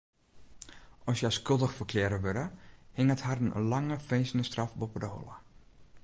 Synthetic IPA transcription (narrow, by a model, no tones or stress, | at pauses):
ɔsjaskølˠdəxfəkʰlɪəɾəʋøɾəhɪŋəthardənə̰nlaŋəfejsəndəstrafbopədəhɔ̰lˠə̰